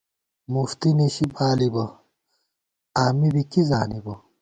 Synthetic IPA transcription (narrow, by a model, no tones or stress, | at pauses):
muft̪iniɕibaːlibɐ | aːmibikizaːnibɐ